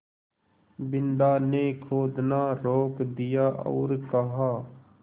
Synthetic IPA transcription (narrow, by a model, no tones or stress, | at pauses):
bɪnɖ̪aːnekʰoːd̪naːɾoːkd̪ijaːʔɔ̰ːɾkəɦaː